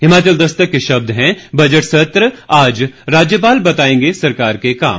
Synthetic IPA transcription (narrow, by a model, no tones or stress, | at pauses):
hɪmaːt͡ʃəld̪ɐst̪əkːeʃɐb̚d̪ʱɦɛ̃bɐd͡ʒəʈsɐt̪ɾəaːd͡ʒɾaːd͡ʒjəp̬aːlbɐt̪aːẽːŋɡesɐɾkaːɾkeka̰ːm